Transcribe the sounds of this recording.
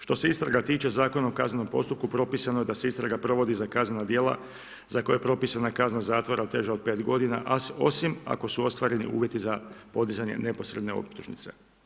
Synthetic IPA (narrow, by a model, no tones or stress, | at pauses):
ʃt̪o̞se̞ist̪ɾaɡat̪iːt͡ʃe̞zaːko̞naokazneno̞mpo̞̰st̪up̚kupɾo̞piːsanoje̞d̪aseist̪ɾaɡapɾo̞ʋo̞d̪izakaznenad̪je̞ːlˠa̰ | zakojepɾo̞piːsanakaznazaːt̪ʋo̞ɾaot̪ːe̞ʒaod̪̚pe̞ːt̪ɡo̞d̪ina̰ʔaso̞sima̰ko̞suo̞st̪ʋaːɾe̞nḭʔṵːʋje̞t̪izapo̞d̪izaɲe̞̰ne̞po̞sɾe̞d̪ne̞o̰pt̪uʒnḭt̪se̞̥̰